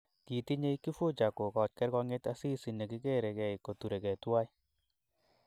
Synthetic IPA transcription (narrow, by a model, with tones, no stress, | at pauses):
ki˨ti˦ɲe˦i˦ki˦fu˦t͡ʃa˨ko˨kɔ˨t͡ʃkɛ˦ɾkɔ˧ŋe˦ta˦si˦si˨ne˨ki˦ke˦ɾɛ˨kɛ˨jko˨tu˨ɾe˨kɛ˨twa˦j